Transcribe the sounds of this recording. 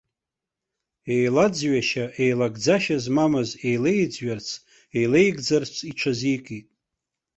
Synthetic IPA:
e̞jlad͡zɥaʃaʔe̞jlaɡd͡zaʃazmamaze̞jle̞jd͡zɥart͡sʰ | e̞jle̞jɡd͡zart͡sʰiʈ͡ʂʷʰazijkʼitʼ

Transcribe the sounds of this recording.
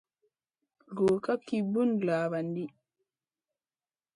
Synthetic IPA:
ɡɔːkakːibːunlaːβandi

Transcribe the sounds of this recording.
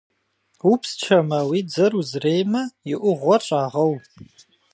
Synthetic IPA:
upst͡ʃʰɐmɐwiːd͡zɐruzrejmɐjɪʔʷʊʁʷɔʈ͡ʂʼaːʁɐw

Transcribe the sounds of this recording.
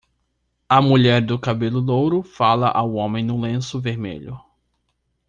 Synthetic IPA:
ɐmuʎɛɾd̪ʊkabelʊlowɾʊfalɐʔawõmẽj̃nʊ̃lẽsʊveɾmḛʎʊ

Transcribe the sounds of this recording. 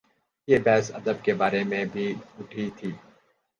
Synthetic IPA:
jeːbɛːsɐd̪əb̚kebaːɾemẽbʱiʊʈʰit̪ʰiː

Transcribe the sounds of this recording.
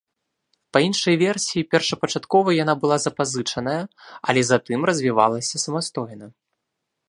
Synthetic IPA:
pɐinʂɐjvʲɛrsʲijipʲɛrʂɐpɐt͡ʂat̪kɔvɐjan̪abɨlˠazɐpazɨt͡ʂɐn̪ɐjɐɐ̰lʲɛzat̪ɨmrɐzʲvʲiva̰lˠɐsʲɐsɐmast̪ɔjnɐ

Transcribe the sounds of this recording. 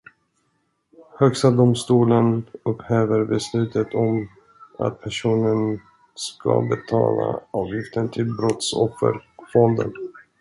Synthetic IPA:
hœkst̪ad̪ʊmst̪uːlənɵpheːvəɾbɛslʉ̟ːt̪ət̪ʰɔm | a̰t̪̚pʰæʂuːnən | skʰabɛt̪ʰɑ̰ːlaɑːvjɪft̪ənt̪ʰɪlbɾɔt̪sɔ̰fːə̰ɾfɔnd̪ə̰n

